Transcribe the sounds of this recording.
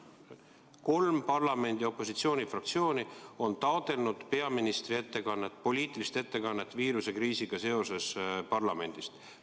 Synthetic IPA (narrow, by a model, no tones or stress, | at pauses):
ko̞lmpɑrlɑme̞nd̪io̞pːˑo̞sit̪sio̞ːnifrɑk̚t̪sio̞ːnio̞nt̪ɑod̪e̞lnud̪̥pe̞ɑminist̪rie̞t̪ːe̞kɑnːe̞t̪ːˑpo̞lʲiːt̪ːˑilist̪e̞t̪ːe̞kɑnːe̞t̪ːˑviːɾuse̞kriːsiɡ̥ɑse̞o̞se̞spɑrlɑme̞nʲd̪̥ist̪